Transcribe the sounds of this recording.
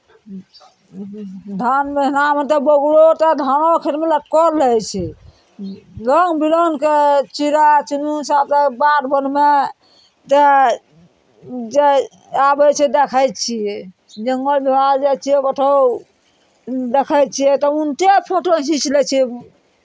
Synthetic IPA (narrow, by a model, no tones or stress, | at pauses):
d̪ʱanmeɦinamet̪ebɔɡlot̪ɔd̪ʱanokʰiɾmeləʈkɔɾlət͡ʃʰɛ | lɔŋɡbilɔnket͡ʃiɾat͡ʃunusat̪əbaɾbənme | t̪e | d͡ʒe | abɛt͡ʃʰɛd̪ekʰətt͡ʃʰijɛ | d͡ʒəŋɡəlbibald͡ʒat͡ʃʰiebəʈʰə | d̪ekʰəjt̪t͡ʃʰijɛt̪ɔunt̪epʰoʈoɦĩt͡ʃlɛt͡ʃʰi